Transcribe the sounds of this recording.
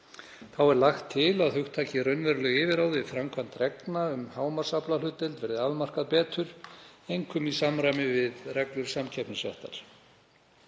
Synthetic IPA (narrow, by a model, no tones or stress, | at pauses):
θawɛɾlaxt̪ʰːɪlaðθʏxt̪ʰːaːcɪɾœɥnvɛɾlʏɣɪːvɪɾaːwðɪfɾamkʰvant̪rɛknaʏmhaːwmaɾ̥saplalʏt̪ɛlt̪vɛɾðɪaðmar̥kaðpɛːt̪ʏɾ̥ejŋkʏmisamɾajmɪvɪðrɛklʏɾ̥samcʰɛpnɪsvɛ̰ht̪a̰ɾ̥